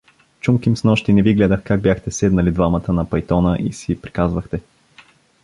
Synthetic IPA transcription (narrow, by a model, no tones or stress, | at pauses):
t͡ʃumkimsnɔʃt̪inɛviɡlɛd̪əxkaɡ̚bʲjaxt̪ɛsɛd̪nɐlid̪vamɐt̪ənɐpɐjt̪ɔnəʔisipɾi̥kazvəxt̪ɛ